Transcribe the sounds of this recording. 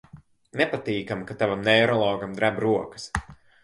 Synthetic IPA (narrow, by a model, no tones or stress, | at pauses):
nɛpat̪iːkamkat̪avamnɛːɾɔlˠɔːɡamd̪ɾabɾuɔkɐ̥s